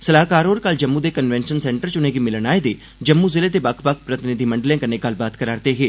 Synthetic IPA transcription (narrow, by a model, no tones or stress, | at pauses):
səlaːkaːɾɦoːɾkəld͡ʒəmːud̪eːkənʋɛ̃ːnʃənsɛːɳʈəɾt͡ʃʊneːɡiːmɪlənaːed̪eː | d͡ʒəmːuzɪleːt̪ebɐkʰbək̚ʰpɾət̪ɪnɪd̪ʱiməɳɖəljãːkəɾneːɡɐlbaːt̪kəɾaːɾt̪eɦeː